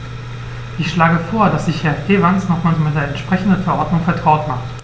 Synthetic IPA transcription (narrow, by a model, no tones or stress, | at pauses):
ʔɪçʃlaːɡəfoːɐdasz̥ɪçhɛɐfɡ̥eːvansnɔχmaːlzomɪt̚d̥eːɐɛntʃpʁ̥ɛçn̩dənfɛɐʔɔɐdnʊŋfɛɐtʁ̥aʊtmaχt